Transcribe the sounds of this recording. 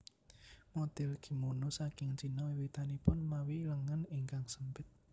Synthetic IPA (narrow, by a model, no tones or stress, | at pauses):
mod̪̥ɪlɡ̥i̤monusakɪŋt͡ʃinɔiwit̪anipʊnmawiləŋənɪŋkaŋsəmpɪt̪̚